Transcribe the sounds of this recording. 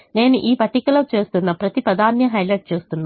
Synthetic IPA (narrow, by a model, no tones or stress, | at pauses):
ne̞ːnuʔiːpɐʈːikɐlɐt͡ʃe̞ːst̪unːɐpɾɐt̪ipɾɐd̪ʱaːnjɐɦɐjlɐʈ̚t͡ʃe̞ːst̪unːa